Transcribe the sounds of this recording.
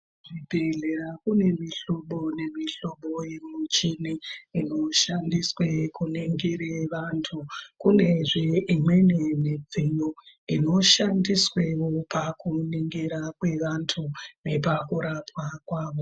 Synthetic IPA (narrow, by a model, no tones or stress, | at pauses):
ʐibʱeɮe̞ɾakune̞miɬoɓo̞ne̞miɬoɓo̞jemut͡ʃiniino̞ʃandiswekuniŋɡiɾeʋantʰukune̞ʐeimwe̞nemid͡zijo | ino̞ʃandiswewopakuniŋɡiɾakwe̞ʋantʰunepakuɾapwakwaːʋo̞